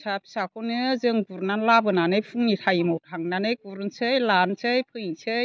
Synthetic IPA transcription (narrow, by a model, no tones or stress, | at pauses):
sapʰi̥sakʰɔnɯzɯŋɡuɾnanlabɯnanɯjpʰuŋnitʰajimɔwtʰaŋnanɯjɡuɾnsɯjlansɯjpʰɯjsʰɯj